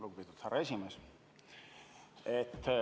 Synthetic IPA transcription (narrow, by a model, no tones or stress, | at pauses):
luɡupiːd̪ut̪hæɾesʲimeːs | et̪ː